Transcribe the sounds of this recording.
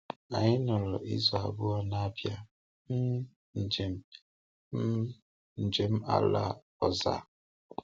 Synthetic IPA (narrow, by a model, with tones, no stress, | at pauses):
a˨ɲɪ˦nʊ˨ɾɔ˨ʔi˦zɔ˨a˨bʊ˦ɔ˦na˦pja˦ | m̩˦ | n̩˨d͡ʒe˨m̩˦ | m̩˦ | n̩˨d͡ʒe˨m̩˦a̰˨la̰˦ | ɔ˦za̰˦˨